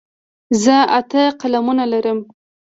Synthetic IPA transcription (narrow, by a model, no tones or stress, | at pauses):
zəat̪əqalamunalaɾəm